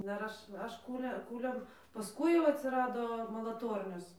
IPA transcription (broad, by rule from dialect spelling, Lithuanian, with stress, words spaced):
ˈdɐr ˈɐʃ ˈɐʃ ˈkuːlʲɛ ˈkuːlʲɛm pɐsˈkʊɪ jɛʊ ɐtʲsʲɪˈrɑːdoː mɐlˠɐˈtoːrʲnʲoːs